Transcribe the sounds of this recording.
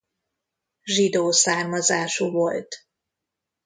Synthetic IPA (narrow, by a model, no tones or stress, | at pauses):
ʒid̪oːsaːrmɒzaːʃuvo̞lt̪